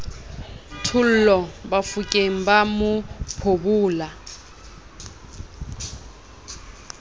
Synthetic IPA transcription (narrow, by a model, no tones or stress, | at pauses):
tʰul̩lɔbafukʼem̩bamʊpʰobuːla